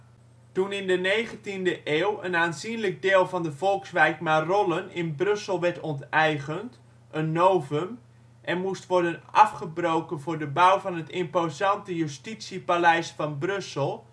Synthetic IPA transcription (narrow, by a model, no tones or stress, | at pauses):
tunɪndənejχəntindəʔeːwə̰naːnzinlək̚dɪːlˠvɑndəvɔlˠksʋɛjkmarɔlˠənɪnbrøsəlˠʋɛrtɔntɛjɣənt | ʔənːoːvəm | ʔɛnmustʋɔrdənʔɑfχəbrowkənvʊrdəbawvɑnɦətɪmpozɑntəjystisjəpalɛjsfɑnbrøsəlˠ